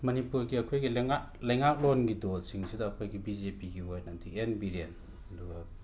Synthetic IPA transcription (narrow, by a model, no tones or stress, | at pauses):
mɐnipuɾɡiɐkʰojɡilŋa | lɐjŋak̚lonɡidosiŋsʰidɐːkʰojɡibizepiɡiɦojnɐdʰikenbiɾen | ɐduɡɐ